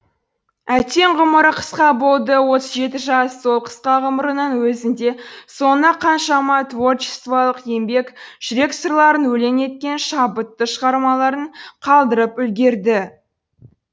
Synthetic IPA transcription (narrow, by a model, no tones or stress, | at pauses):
æt̪e̞ɴʁʊməɾəqʰə̥sqɑbolˠd̪əwo̞t̪əzʒe̞t̪ɪʒɑsːo̞lˠqʰə̥sqɑʁəməɾənənwɵzɪnd̪e̞so̞nɑqʰɑnʃɑmɑt̪vort͡ʃɪ̥st̪vɑlˠəqje̞mbe̞kʒ̥ʏɾe̞ksərlˠɑɾənwɵle̞ne̞t̪̚kʲe̞nʃɑbət̪ːəʃəʁɑɾmɑlˠɑɾəɴqʰɑlˠd̪əɾəpʏlɡʲe̞ɾd̪ɪ